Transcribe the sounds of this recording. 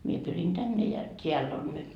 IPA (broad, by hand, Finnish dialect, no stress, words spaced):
mie pyrin tænːe jɑ tʲeælː on nyt